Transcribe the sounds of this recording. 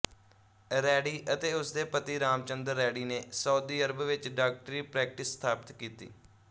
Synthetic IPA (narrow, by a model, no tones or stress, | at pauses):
ɾɛːɽiːʔət̪eːʊsd̪eːpət̪iːɾaːmt͡ʃənd̪əɾːɛːɽiːneːsəːd̪iːəɾəbʋɪt͡ʃɖaːk̚ʈɾiːpɾɛːk̚ʈɪsːt̪ʰaːpɪt̪kiːt̪ḭː